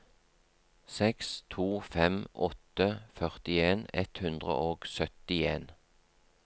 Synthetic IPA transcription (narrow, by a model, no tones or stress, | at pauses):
sɛkst̪ʰuːfɛmʔɔ̰t̪əfœʁt̪ɪeːnɛ̰t̪hʉnd̪ʁə̰ʔoːɡ̥sœt̪ɪeːn